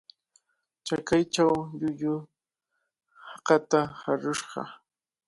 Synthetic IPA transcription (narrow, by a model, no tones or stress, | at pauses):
t͡ʃakajt͡ʃawʎʊʎʊ | hɑqɑt̪ahaɾʊʃɢɑ̰